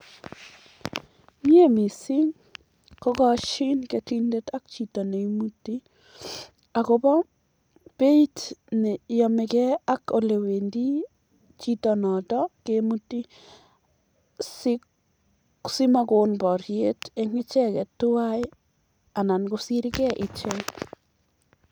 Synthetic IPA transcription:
mje˦mi˨si˦ŋ | ko˦kɔ˦ʃi˦nketi˦nde˦ta˦k̚t͡ʃi˨tɔ˨ne˨imutːi˦ | a˨kobɔ˦ | pe˦i˦tne˨jɔ˨me˨kɛ˦a˦ko˨le˨we˨ndi˦ | t͡ʃi˦tɔnɔ˨tɔ˦kemu˦ti˦ | si | si˦ma˦ko˨nbɔ˨ɾjete˦ŋɪ˦t͡ʃɛ˦ke˨tu˦waj | a˨na˨nkosi˦ɾi˦kɛ˦ʔi˨t͡ʃeŋ

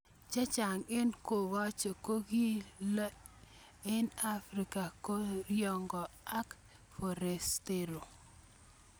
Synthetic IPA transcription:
t͡ʃa˦t͡ʃa˨ŋɪ˦nko˨wa˦t͡ʃo˨ko˦ɡi˦la˦ | ɪ˦na˦fɾi˨ka˨ko˦ɾjɔ˦ŋɡɔ˨a˦k | fɔ˨ɾe˨ste˦ɾo˨

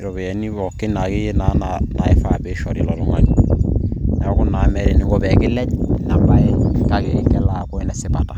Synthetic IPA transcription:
ɾɔ˨bɛ˨ɛ˨˦ni˦βɔ˨kːe˦na˨ke˦je˦na˦nana˨e˦fa˦˨be˦ʃɔ˨ɾi˨lɔ˨lu˦ŋa˦ɲi | na˨ɔ˦ku˦na˨˦mɛ˨ɾe˨ni˨˦ɡɔ˨bɛ˨kɪ˦lɛ˦ɲ˨na˨mba˦e˦ka˨ke˨ɾi˦kɛ˦la˨kɔ˦e˦nɛ˨sɪ˦ba˨ta˨

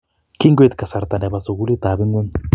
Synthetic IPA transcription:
ki˦ŋɡwe˦t̪ka˨sa˨ɾt̪a˨nɛ˨ba˨so˨ɡu˦li˦t̪a˨bɪ˦ŋwe˦n

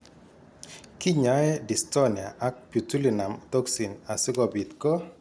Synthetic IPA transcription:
ki˦ɲa˨˦ɛ˦di˨stɔ˦ni˨a˨a˦k̚pju˨tu˦li˨na˨mt̪ɔ˦ksi˨na˨sɪ˦kɔ˨bi˨t̪ko˦

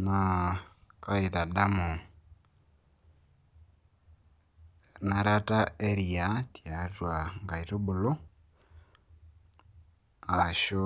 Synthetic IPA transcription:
na˨ | ka˦i˨ta˨ɗa˦mo˨ | na˨ɾa˦ta˦e˦ɾi˨a˨˦ti˨a˨twa˨ŋɡa˨i˨to˦bu˨lo˦ | a˨ʃo˦

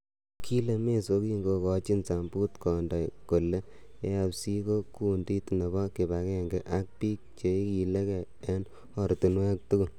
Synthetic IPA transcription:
kʰi˦le˨me˦so˧˦ki˦ŋɡo˧kɔ˨˧t͡ʃi˦nsa˨mbuː˦tkɔ˨ndɔ˨jko˨le˦ | e˦a˨psi˦ko˦ku˦ndi˦tne˨βɔ˦kɪ˨βa˨kɛ˦ŋɡe˨ʔa˦k̚piː˦k̚t͡ʃe˨i˦ki˨le˦kɛ˨ | e˦n | ɔ˨ɾtu˨nwɛ˦k̚tu˦ku˦˨l

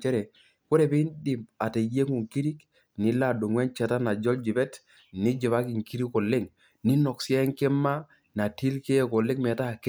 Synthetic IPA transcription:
t͡ʃɛ˦ɾɛ˨ | ko˦ɾe˨bi˦ndi˨ma˨te˨je˦ŋu˨ŋki˦ɾi˦k | ni˨la˦˨du˨ŋwɛ˦nt͡ʃɛ˨ta˦na˨d͡ʒɔ˦ld͡ʒi˨bɛ˦t | ni˦d͡ʒi˨βa˦ki˨ŋki˦ɾi˦ko˨le˦ŋ | ni˦nɔ˨ksi˦a˦ŋke˦mːa˦ | na˨ti˦lke˦ko˨le˦kme˨ta˦˨k

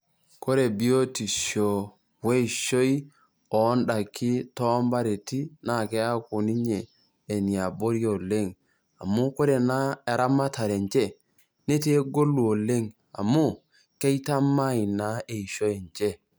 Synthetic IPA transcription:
ko˦ɾe˨bi˦o˦ti˨ʃo˨ | we˦i˨ʃo˦i˦ | ɔ˨˦nda˨kʰɪ˦tɔ˦mba˦ɾe˨ti˦na˨ke˦a˦ku˨ni˦ɲeː˨ | ni˨a˨bo˦ɾjo˨le˦˨ŋ | a˨mu˦ko˦ɾe˨na˦e˨ɾa˦ma˦ta˨ɾe˨ɲt͡ʃe˦ | ne˦te˦ɡo˦lu˨o˨le˦ŋ | a̰˨mu˦ | ke˦jta˦ma˦i˨na˦e˨i˨ʃo˦e˨ɲt͡ʃe˦

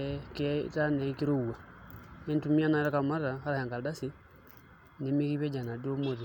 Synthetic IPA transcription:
keta˦ne˨˦ki˦ɾu˦u˨wa˨e˦ntu˦mi˦a˦na˦ɾa˦ka˨ma˦ɾa˨xa˦ɾa˨he˨ŋɡa˨da˦si˦ | ne˦mi˦ki˦βe˦d͡ʒa˨na˨di˦o˦mo˨ti˨

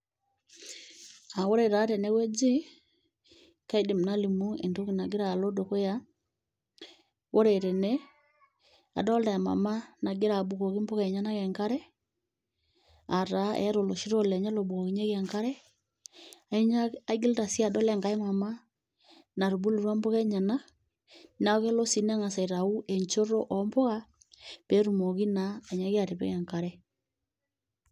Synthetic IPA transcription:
a˨wo˦ɾe˨ɾa˨˦tɛ˨nɛ˦wɛ˦d͡ʒi˦ | ka˦i˦de˨m̩˨na˦li˨mu˦ḛ˨ndo˦ki˨na˨ɡe˦ɾa˨lo˦do˨ko˦ja | wo˦ɾe˨ɾɛ˨nɛ˦ | a̰˨dɔ˦lda˨a˨ma̰˨ma˦na˨ɡe˦ɾa˨bu˨ko˨ki˦mpo˦kai˨ɲa˦na˦ɣɛ˨ŋka˦ɾɛ˦ | a˨ɾa˨˦ʔɛ̰˨˦ɾo˨lo˨ʃi˦ɾo˦˨lɛ˨ɲa˦lo˨bu˨o˨ɣi˨˦ɲe˦ɣɛ˨ŋka˦ɾɛ˦ | a˨˦ɲaa˦ɡi˦lta˨si˦a˨dɔ˦lɛ˦ŋɡa˨e˦ma˨ma˦ | na˨ɾu˨bu˦lo˨ɾwa˦mbo˦ɣɛ˦ɲa˨na˦ | na˨˦o˦ɣe˦lo˦si˨˦na˦ŋa˨sa˨i˨ɾa˨u˦ʔe˨ɲt͡ʃo˦ɾo˦ʔɔ˨mbo˦ɣa˦ | pe˨˦ɾu˨mo˨ɣi˦na˨e˨ɲa˦ɣe˦a˨ɾe˨pɛ̰˦kɛ˨ŋka˨ɾɛ˦

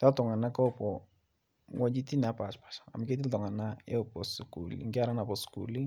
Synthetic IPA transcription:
ta˦ltɔ˨ŋa˨na˦kɔ˦pɔ˨ | ŋɔ˦d͡ʒi˦ti˦na˨˦pa˨t͡ʃpḁ˨ʃḁ˨a̰˨ma˨ke˦t̬i˦ltɔ˨ŋa˨na˦e˦o˨pɔ˨su˨kṵ˨l̰ŋɡɪ˦a˨ɾa˦na˨pɔ˨skṵ˨li˦ŋ

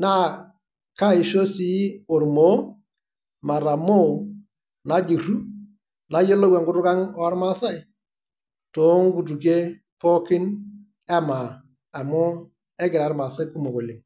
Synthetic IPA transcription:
na˦ | ka˦ɪ˨ʃo˦si˦o˨ɾmo˦ | ma˨ɾa˨mo˦˨ | na˨˦d͡ʒu˨ɾu˦ | na˨˦jo˦lo˦wɛ˨ŋɡʊ˦tʊ˦ka˦ŋɔ˦a˦ɾma˦sa˦ɪ˨ | to˨˦ŋ˦ɡu˨t̬u˨ke˦ | pɔ˦kɪ˦n | ɛ˦ma˨ | a˨mʊ˦ | ɛ˦ɡɪ˨ɾa˨˦ɾma˨sa˦jku˦mo˨ko˨le˨ŋ

